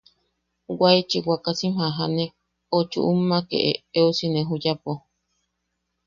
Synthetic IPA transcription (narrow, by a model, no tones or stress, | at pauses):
wait͡ʃiwakasihaɦane | ot͡ʃṵʔumːakḛʔḛeusinẽɦujapo